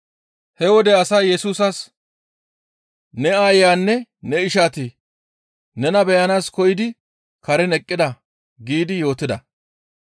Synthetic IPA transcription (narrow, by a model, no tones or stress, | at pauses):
hɛwɔd̪ɛɐsɐjɛsuːsɐs | nɛaːjjaːnːɛnɛɪʃaːt̪ɪ | nɛnɐbɛjɐnaːskɔjɪd̪ɪ | kɐɾɛnɛkʼːɪd̪ɐ | ɡiːd̪ɪjo̞ːt̪ɪd̪ɐ̰